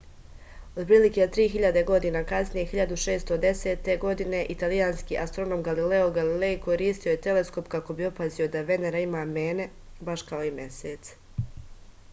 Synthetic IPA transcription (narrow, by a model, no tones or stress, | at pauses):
o̞d̪̚pɾiːlike̞t̪ɾiːxiʎad̪e̞ɡo̞d̪inakasnije̞xiʎad̪uʃe̞ːst̪od̪e̞set̪e̞ɡo̞d̪ine̞ʔit̪alijaːnskiːʔast̪ɾo̞no̞ːmɡalileoɡalile̞jiko̞ɾiːst̪io̞je̞t̪e̞le̞sko̞pkako̞biopazio̞d̪aʋe̞neɾaimaːmeːne | baʃkao̞imje̞set̪s